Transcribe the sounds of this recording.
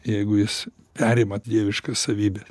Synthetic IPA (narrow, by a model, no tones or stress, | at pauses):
jɛɪɡʊjɪs | pʲæːɾʲɪmɐtd̪ʲiɛʋʲɪʃkɐssɐʋʲiːbʲɛs